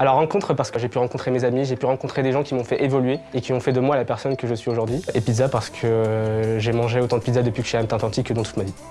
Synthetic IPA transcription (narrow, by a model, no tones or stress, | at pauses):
alɔʁːɑ̃kɔ̃t̪χəpaʁsə̥kəʒepyʁɑ̃kɔ̃t̪χemezamiʒepyʁɑ̃kɔ̃t̪χed̪eʒɑ̃kʲimɔ̃fɛʔevɔlɥeekʲiɔ̃fɛd̪əmwalapɛʁsɔnkəʒəsɥioʒuʁd̪ɥiepid̪zapaʁsə̥kʰəʒemɑ̃ʒeot̪ɑ̃d̪əpʲid̪zad̪əpɥikəʒɛɛmt̪ɛ̃t̪ɑ̃t̪ikːəd̪ɑ̃t̪ut̪mavi